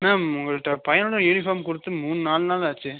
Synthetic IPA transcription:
naːʊŋɡɐɭɯʈːɐpɐjɐnɔɽɐɛɻifaːmkʊɽɯt̪ːɯmuːnɯnaːlnaːlaːt͡ʃːɯ

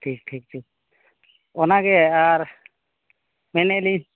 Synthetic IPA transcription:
ʈʰik̚ʈʰik̚ʈʰik̚ | ɔnakeaɾ | mɛneli

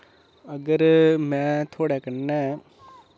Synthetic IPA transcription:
əɡəɾmɛ̃ːt̪ʰoːɽekəɾnɛ

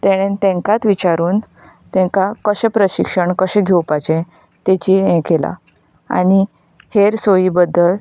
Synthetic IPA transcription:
t̪eɽ̃ẽnt̪ɛ̃ŋkat̪ʋit͡ɕaɾuːn | t̪ɛ̃ŋkakəɕɛ̃pɾəɕikʂəɳkəɕɛ̃ɡʱewpat͡ɕẽ | t̪et͡ɕiɛ̃kela̰ | a̰ɽ̃i | heɾsojiːbəd̪ʱːəl

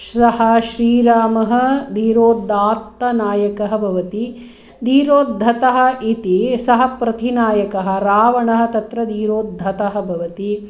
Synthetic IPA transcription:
sɐhɐ̆ʃɾiːɾaːmɐɦɐ̆d̪iːɾoːd̪aːt̪ːɐnaːjɐkɐɦɐ̆bʱɐʋɐt̪i | d̪iːɾoːd̪ʱːɐt̪ɐɦɐ̆it̪isɐɦɐ̆pɾɐt̪inaːjɐkɐɦɐ̆ɾaːʋɐɳɐɦɐ̆t̪ɐt̪ɾɐd̪iːɾoːd̪ʱːɐt̪ɐɦɐ̆bʱɐʋɐt̪i

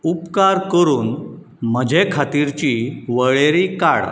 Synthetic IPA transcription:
upkaɾkəɾuːn | m̤əd͡ʑʱekʰat̪iɾt͡ɕiʋəɭeɾikaɽ

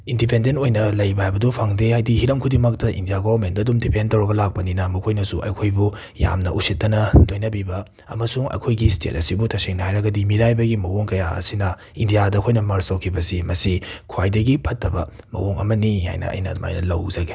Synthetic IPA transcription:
indipʰendentojnɐlɐjbɐajbɐdupʰaŋdehajdihiɾɐmkʰudimɐk̚tɐʔḭndijaɡɔvɐɾmentɐdumdipʰentɐwɾɐɡɐlak̚pɐninɐmɐkʰojnɐsuʔɐ̰jkʰojbu | ja̰mnɐʔusitːɐnɐlojnɐbibɐ | ɐ̰mɐsuŋɐ̰jkʰojɡistʰḛtɐ̰sibutʰɐseŋnɐhajɾɐɡɐdimiɾajbɐɡimɐwoŋkɐja̰ɐ̰sinɐ | indijadɐkʰojnɐmɐɾsɐwkʰibɐsimɐsikʰwajdɐɡipʰɐtːɐbɐ | mɐ̰woŋɐ̰mɐniha̰jnɐ̰ɐ̰jnɐ̰ma̰jnɐlɐ̰wzɐɡe

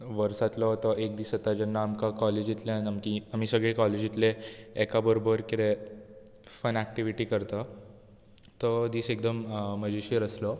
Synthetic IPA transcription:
ʋəɾsat̪lɔt̪ɔʔek̚d̪iːsət̪ad͡ʑanːaːmkakɔled͡ʑit̪ljanamkiam̤isəɡɭekɔled͡ʑit̪leekabəɾobəɾkit̪e | fənæk̚ʈiʋiʈiːkəɾt̪a | t̪ɔd̪iːsekd̪əmm̤əd͡ʑeɕeɾəslɔ

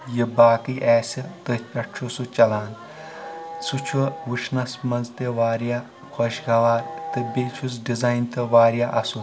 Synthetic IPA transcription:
jibaːkɨʔɛːsʲɐt̪ɨpʲɐʈ̚t͡ʃʰosut͡ʃɐlaːn | t͡sʰut͡ʃʰuʋut͡ʃʰnɐsmɐnzt̪eʋaːɾijaː | kʰoʃɡɐʋaːɾt̪ɨbet͡ʃʰusɖizaːjnt̪ɐʋaːɾjaʔɐsu

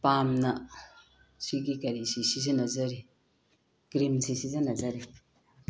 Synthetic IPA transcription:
pamnɐ | siɡikɐɾisisizɐnɐzɐɾi | ɡ̥ɾimsisizanɐzɐɾi

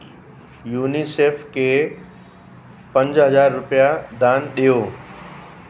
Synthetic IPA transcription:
juːniseːfʰkeː | pɐ̃ɲd͡ʑɦɐzaːɾːʊpijad̪ʱaːnɗijoː

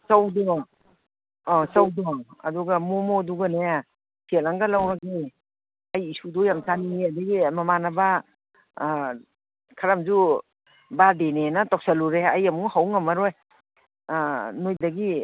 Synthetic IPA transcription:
sawdɔ | sawdɔa̰duɡamɔmɔduɡaneja | sʰelaŋɡalawɾaɡaj | ajisudɔjamsaniadaɡimamanaba | kʰaɾamzu | badenenatɔk̚saluɾeajamuŋhawŋamaɾɔj | nojdaɡi

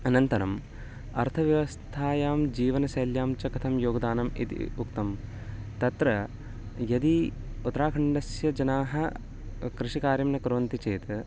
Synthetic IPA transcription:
ɐnɐnt̪ɐɾɐm | ɐɾt̪ʰɐʋjɐʋɐst̪ʰaːjaːmd͡ʒiːʋɐnɐsɐːljaːmt͡ʃɐkɐt̪ʰɐmjoːɡɐd̪aːnɐmḭt̪ḭukt̪ɐm | t̪ɐt̪ɾɐ | jɐd̪iut̪ːɐɾaːkʰɐɳɖɐsjɐd͡ʒɐnaːɦɐ | kɾiʂikaːɾjɐmnɐkɾʋɐnt̪it͡ʃeːt̪

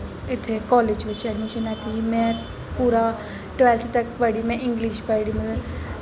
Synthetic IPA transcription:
ɪt̪ʰekɔːlɪd͡ʒʋɪt͡ʃɐɖmɪʃənaːt̪imɛ̃ | puːɾa | ʈʋɛlt̪ʰt̪ɐkpəɽimɛ̃ʔɪ̃ŋɡliʃpəɽimə

